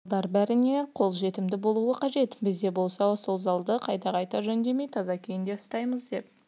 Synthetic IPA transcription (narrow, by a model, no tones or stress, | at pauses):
d̪ɑɾbæɾɪne̞qʰo̞lˠʒe̞t̪ɪmd̪ɪbo̞lˠuəqʰɑʒe̞t̪bɪzd̪e̞bo̞lˠsɑwosolˠzɑlˠd̪əqʰɑjt̪ɑqɑjt̪ɑʒɵnd̪e̞me̞jt̪ʰɑzɑkʲʰejɪnd̪e̞ʊst̪ɑjməzd̪e̞p̚